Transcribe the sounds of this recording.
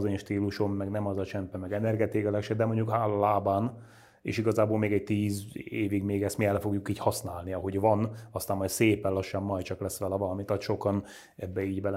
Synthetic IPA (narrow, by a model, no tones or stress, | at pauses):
zeːɲʃt̪iːluʃo̞mːɛɡnɛmɒzɒt͡ʃɛmpɛmɛɡɛnɛrɡɛt̪eːkɛlɛkʃɛdd̪ɛmoɲɟukɦaːlɒlaːbaːn | ḛːʃiɡɒzaːboːlmeːɡɛɟ̚t̪iːzeːviɡmeːɡɛst̪miɛlɛfo̞ɡjukiːchɒsnaːlniɒɦo̞ɟvɒnɒst̪aːmːɒjtseːpɛlɒʃːɒmːɒj̪t͡ʃɒklɛsːʋɛlɛvɒlɒmit̪ɒt̪ʃo̞kɒn | ɛbːɛiːɟbɛl